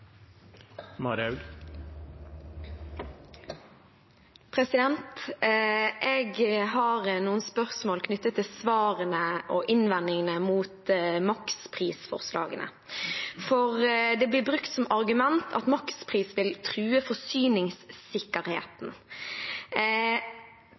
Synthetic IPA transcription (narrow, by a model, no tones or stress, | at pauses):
mɑɾɑʉɡ | pʰɾɛsɪd̪ɛnt̪ | ʔɛɡɦɑɾnuːənspœʁsmoːlkʰnʏt̪ːət̪ʰːɪlsʋɑːʁənəʔɔʔɪnʋɛnːɪŋənəmuːt̪mɑkspʰʁiːsfɔ̰ʁslɑ̰ːɡənə̰ | fɔɾd̪ɛblɪbɾʉkt̪sɔmɑɾɡʉmɛnt̪ʰɑ̰t̪mɑkspʰʁiːsʋɪlt̪ʰɾʉːəfɔsyːnɪŋssɪkːəɾheːt̪n̩